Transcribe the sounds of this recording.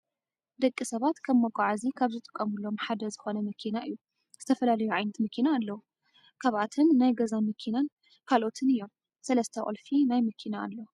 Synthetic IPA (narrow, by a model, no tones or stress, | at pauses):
d̪ɐkʼːisɐβat̪kʰɐmːɐɡʷʼaʕazikʰaβzɨt̪ʼɨ̥kʼːɐmulːo̞mħad̪ɐzɨxonɐmɐkʰinaʔɨjːu | z̥ɨt̪ʰɐfɐlalɐjuʕajnɐt̪mɐkʰinaːlːɐwu | kʰɐβʔat̪ʰɨnːajɡɐzanmɨkʰinan | kʰalʔo̞t̪ʰɨnɨjːo̞m | sɐlɐst̪ʰɐʔʼo̰lfinajmɐkʰina̰ːlːɐu